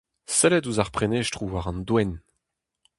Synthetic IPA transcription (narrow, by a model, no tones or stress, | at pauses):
sɛlɛtuzaʁpχeneːʃtχuwaʁɑ̃nd̪wɛn